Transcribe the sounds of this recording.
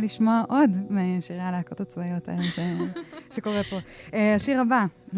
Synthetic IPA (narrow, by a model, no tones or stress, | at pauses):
liʃmoaʔodmeʃiʁjalaakot̪at͡svajo̞tʰa̰elʃeʃeko̞ʁepo̞eaʃiʁaba